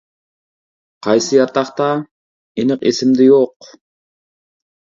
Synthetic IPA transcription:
qʰɑjsɨjɑɾt̪ɑχt̪ɑ | inɪqesɪmd̪ɪjoq

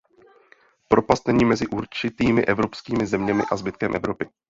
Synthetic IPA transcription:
pɾo̞past̪nɛɲiːmɛzɪʔuɾt͡ʃɪt̪iːmɪʔɛvɾo̞pskiːmɪzɛmɲɛmɪ̰ʔazbɪt̪kɛmʔɛ̰vɾo̞pɪ

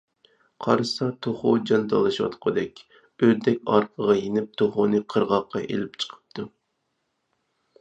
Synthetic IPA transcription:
qʰɑ̰ɾɨsɑt̪ʰoχod͡ʒɑnd̪ɑlˠɨʃwɑ̰t̪qʰɑd̪ɛkʲ | ød̪ɛkʲɑ̰ɾqʰəʁɑjenɪp̚t̪ʰoχonɨqʰəɾʁɑqːɑʔḛlɪp̚t͡ʃʰə̥qʰə̥p̚t̪ʰu

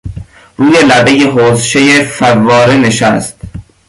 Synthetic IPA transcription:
ruːjelæbejeɦoːzʃejefævːɒːɾeneʃæst̪̚

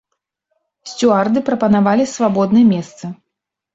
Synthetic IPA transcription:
sʲt͡sʲuard̪ɨpɾɐpɐnavalʲisvabɔd̪nɨjɛmʲɛst̪sɨ

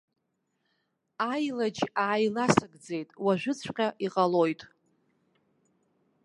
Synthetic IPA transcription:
ajlad͡ʒaːjlasaɡd͡ze̞jtʼwaʒᶣʷʊt͡sʷʰqʲʼaʔiqʼalo̞jtʼ

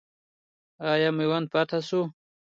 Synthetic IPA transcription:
ajamiwand̪̚pɑt̪asu

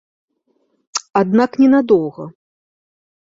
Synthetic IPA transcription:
ad̪naknʲɛnad̪ɔwɣɐ

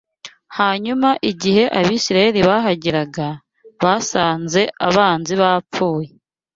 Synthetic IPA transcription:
haːɲumaʔiɟihe̞ʔaβiːsiɾaje̞ɾiβaɦaɟeɾaɡa | βasaːnze̞ʔaβaːnziβap͡foːje

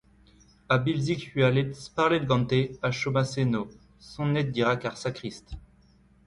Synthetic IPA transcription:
abilzikyalet̪spaʁled̪ɡɑ̃t̪eaʃomaseno | sɔ̃nɛt̪̚d̪iʁakaʁsakχist̪

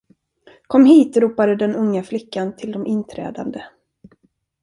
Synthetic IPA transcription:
kʰɔmːhiːt̪ɾuːpad̪əd̪ɛnɵŋːaflɪkːant̪ʰɪld̪ɔmɪnt̪ʰɾɛ̰ːd̪a̰nd̪ə

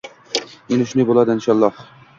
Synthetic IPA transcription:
enɪʃnɪbolˠad̪ɪɪnʃɑlˠːɑh

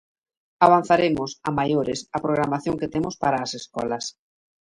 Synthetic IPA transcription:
aβ̞an̟θaɾemʊsamajoɾɪsɐpɾoɣ̞ɾamaθjoŋket̪emʊspaɾaːseskɔ̰lɐs

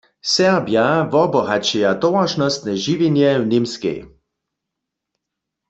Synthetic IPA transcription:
sɛʁbjavɔbɔɦat͡ʃɛjat̪ɔwaʃnɔst̪nɛʒiʋinjɛwnimskɛ̰j

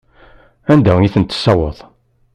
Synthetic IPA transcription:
ænd̪æiθənt̪ːə̥sːɑwəðˤ

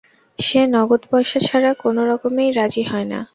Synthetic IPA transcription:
ʃenɔɡot̪bɔjʃat͡ɕʰaɾakonoɾɔkomejɾad͡ʑiɦɔena̰

